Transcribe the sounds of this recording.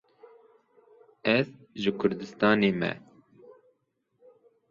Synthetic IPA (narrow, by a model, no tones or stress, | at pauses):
ɛz | ʒɨkʰʊɾd̪ɨst̪ɑːneːmɛ̰